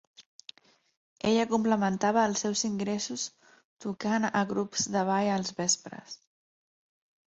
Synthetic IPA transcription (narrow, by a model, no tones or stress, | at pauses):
eʎəkumpləmənt̪aβ̞əːlˠsɛwziŋɡɾɛsus | t̪ukanə̰ɣɾupz̥d̪əβ̞ajəlˠzβɛspɾə̰s